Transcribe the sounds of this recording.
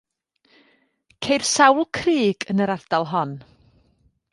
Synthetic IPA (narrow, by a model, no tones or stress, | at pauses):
kʰejr̥sawlˠkʰriːɡənəɾard̥alˠɦɔn